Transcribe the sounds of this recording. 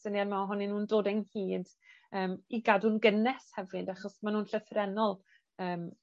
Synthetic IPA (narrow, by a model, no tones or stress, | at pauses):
sənianmaɔɦʊnɪnuːndoːdɛnhiːd | əːmiɡadunɡənɛshɛvɨdaχɔsmanuːnɬəθrɛnɔlˠ | əːm